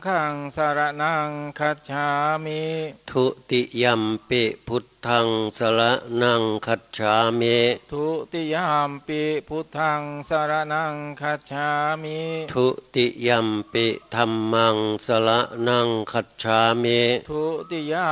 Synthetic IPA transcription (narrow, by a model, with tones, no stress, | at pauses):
kʰa˧ŋsa˧ɾa˧ʔna˧ŋkʰa˧t̪̚t͡ʃʰa˧mit̪ʰu˦ʔt̪i˧ʔja˧mpe˧˨ʔpʰu˦t̪ʰːa˧ŋsə˧la˦ʔna˧ŋkʰa˧t̪̚t͡ʃʰa˧˦me˦t̪ʰu˧ʔt̪i˧ja˧mpi˧ʔpʰu˧˦t̪ʰːa˧ŋsa˧ɾa˧ʔna˧ŋkʰa˧t̪̚t͡ʃʰa˧mit̪ʰu˧˦ʔt̪i˧ʔja˧˨mpe˧ʔt̪ʰa˧mːa˧ŋsə˧la˦ʔna˧ŋkʰa˧t̪̚t͡ʃʰa˧˦me˦t̪ʰu˧ʔt̪i˧ja˧